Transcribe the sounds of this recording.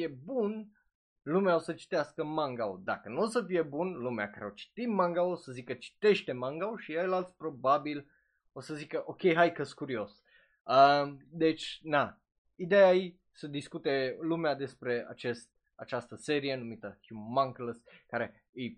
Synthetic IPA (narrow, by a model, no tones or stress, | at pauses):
fie̞bun | lumeaosət͡ʃi̥t̪easkəmaŋɡaod̪a̰kənuosəfije̞bunlumea̰kaɾeat͡ʃi̥t̪it̪maŋɡaosəzikət͡ʃi̥t̪e̞ʃt̪e̞maŋɡaoʃiejlalt̪sʲpɾo̞babil | o̞səzikəʔo̞kʲe̞jɦajkəskuɾio̞s | əd̪e̞t͡ʃʲna | id̪ejai | səd̪iskut̪e̞lumead̪e̞spɾe̞a̰t͡ʃe̞st̪̚ | a̰t͡ʃast̪əse̞ɾie̞numit̪əkjumaŋkləskaɾe̞ | ej